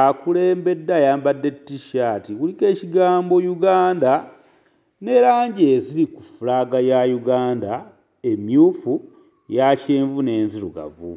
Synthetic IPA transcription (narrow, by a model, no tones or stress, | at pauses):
akule̞ːmbe̞dːajaːmbadːe̞tːiʃaːtikulike̞ːciɡaːmbo̞juɡaːnda | ne̞ɾaːɲɟe̞ziɾikufulaːɡajajuɡaːnda | e̞mjuːfu | jaceːɱvune̞ːnziluɡa̰vṵ